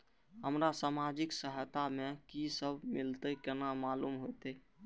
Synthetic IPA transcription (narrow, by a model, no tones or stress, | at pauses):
ɦəmɾasamad͡ʒiksəɦəjt̪amekisəbʱmilt̪əkenamalumɦojt̪e